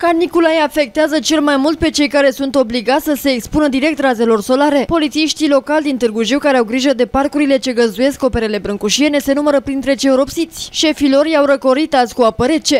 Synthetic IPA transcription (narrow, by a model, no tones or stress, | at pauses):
kanikulajafe̞k̚t̪eazət͡ʃe̞lmajmult̪̚pe̞t͡ʃe̞jkaɾe̞sunt̪o̞bliɡat̪sʲsəse̞ːkspunəd̪iɾe̞k̚t̪raze̞lo̞rso̞laɾe̞po̞lit̪siiʃt̪ilo̞kald̪int̪ɨrɡuʒiwkaɾeawɡɾiʒəd̪e̞parkuɾile̞t͡ʃe̞ɡəzd̪uje̞sko̞pe̞ɾe̞le̞bɾɨŋkuʃiene̞se̞numəɾəpɾint̪ɾe̞t͡ʃeuɾo̞psitt̪sʲʃe̞filo̞rjawɾəko̞ɾit̪asʲkuapəɾe̞t͡ʃe̞